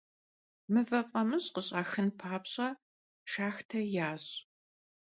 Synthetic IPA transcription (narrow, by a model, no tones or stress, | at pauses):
mɨvɐfʼɐmɨɕqəɕʼaːxɨnpʰaːpɕʼɐ | ʃaːxtʰɐjaːɕ